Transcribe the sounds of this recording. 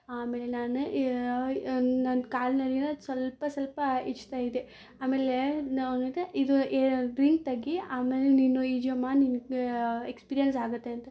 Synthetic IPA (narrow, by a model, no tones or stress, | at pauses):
aːmeːlenaːnu | nankaːlnɐɾinɐsʋɐlpɐsɐlpɐit͡ʃːt̪aːjid̪e | aːmeːleonɐt̪eʔid̪ueɖɾiŋk̚t̪ɐɡːiaːmeːleninːuid͡ʒɐmaːninɡeekspiːɾijɐnsaːɡut̪ːe̞ɐnt̪ɐ